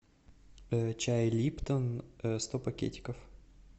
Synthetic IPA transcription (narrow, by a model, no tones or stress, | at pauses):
t͡ɕajlʲipt̪ənst̪opɐkʲḛtʲɪ̥kəf